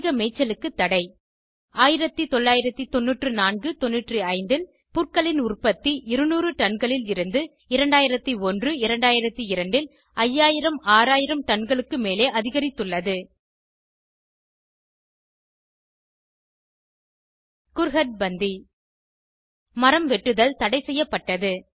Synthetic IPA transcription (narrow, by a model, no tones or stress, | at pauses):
ɣɐmɛɪt͡ʃːɐlɯkːɯt̪ːɐɽɐɪ | aːjɪɾɐt̪ːit̪ɔɭːaːjɪɾɐt̪ːit̪ɔnːɯʈrɯnaːnɡɯt̪ɔnːɯʈrɯɐɪnd̪ɪl | pʊrkɐɭɪnʊrpɐt̪ːiʔɪɾɯnuːrɯʈ̪ɐɳɡɐɭɪlɪɾɯnd̪ɯ | ɪɾɐɳɖaːjɪɾɐt̪ːiɔndrɯɪɾɐɳɖaːjɪɾɐt̪ːiɪɾɐɳɖɪl | ɐjːaːjɪɾɐmaːɾaːjɪɾɐmʈ̪ɐnɡɐɭɯkːɯmeːleːʔɐðɪɣɐɾɪt̪ːɯɭːɐðɯ | kʊɾɣɐʈ̚bɐnd̪i | mɐɾɐmʋɛʈːɯðɐlt̪ɐɽɐɪsɛjːɐpːɐʈːɐðɯ